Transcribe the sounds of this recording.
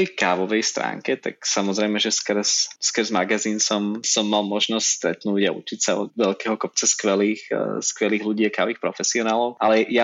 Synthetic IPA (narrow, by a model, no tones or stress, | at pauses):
ɛjkaːʋɔʋɛjst̪ɾa̰ːŋkɛt̪a̰ksamɔzɾɛjmɛʒɛskr̩sskɾzmaɡaziːnsɔmsɔmːalˠmɔʒnɔstʲst̪ɾɛt̪nuːɟaṵt͡ʃicsaɔ̰d̪ʋɛlkɛɦɔkɔp̚t͡sɛskʋɛliːxskʋɛliːɣluɟiːakaːʋiːxpɾɔfɛsiɔnaːlɔʊʔalɛja